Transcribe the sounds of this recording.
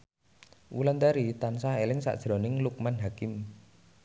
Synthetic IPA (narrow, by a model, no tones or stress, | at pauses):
ʔṵland̪aɾit̪ansaelɪŋsa̰ʔd̥ʒ̥ɾɔnɪŋluk̚manɦakɪm